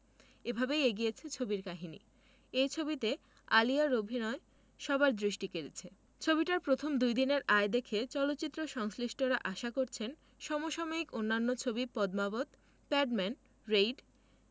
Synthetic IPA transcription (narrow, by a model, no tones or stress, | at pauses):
ebʱabejeɡijet͡ɕʰet͡ɕʰobiɾkaɦinḭ | ejt͡ɕʰobit̪e | aliaɾobʱinɔe | ʃɔbaɾd̪ɾiʃʈikeɾet͡ɕʰe | t͡ɕʰobiʈaɾpɾot̪ʰomd̪ujd̪ineɾaed̪ekʰet͡ɕɔlot̪ːɕit̪ːɾoʃɔŋsliʃʈoɾaʔaʃakoɾt͡ɕʰen | ʃɔmoʃɔmoikonːanːot͡ɕʰobipɔd̪mabot̪ | pɛɖmɛn | ɾejɖ